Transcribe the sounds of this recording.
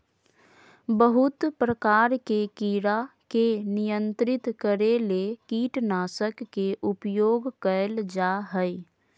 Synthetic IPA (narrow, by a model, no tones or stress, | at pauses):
bəɦʊt̪pɾəkaːɾkekiːɾakenijənt̪ɾɪt̪kəɾelekiːʈnaːsəkːeʔʊpjoːɡkəld͡ʒaɦəj